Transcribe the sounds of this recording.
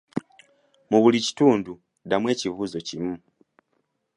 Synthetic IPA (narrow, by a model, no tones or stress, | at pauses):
muβulici̥tuːndu | damwe̞ːcivuːzo̞cimu